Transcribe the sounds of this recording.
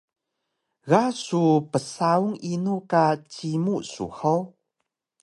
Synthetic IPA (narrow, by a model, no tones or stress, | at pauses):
ɣasupəsauŋinukat͡ɕimusṵħow